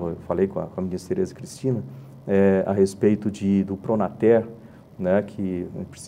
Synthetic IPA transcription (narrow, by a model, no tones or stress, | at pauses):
ewfalejkõɐ̰kõɐmĩɲɐseɾezɐkɾist͡ʃĩnɐ | ɛa̰ɦespejt̪ʊd͡ʒɪd̪ʊpɾonat̪ɛɾ | nɛkʰɪpɾes